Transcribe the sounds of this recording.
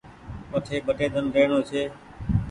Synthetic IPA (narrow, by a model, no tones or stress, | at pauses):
pəʈ̪ʰeːɓəʈeːd̪ʱənɾeːɳoːt͡ʃʰeː